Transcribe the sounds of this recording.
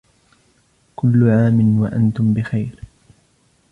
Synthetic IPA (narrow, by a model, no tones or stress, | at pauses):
kʊlːʊʕaːmɪnwaʔa̰nt̪ʊmbɪxajɾ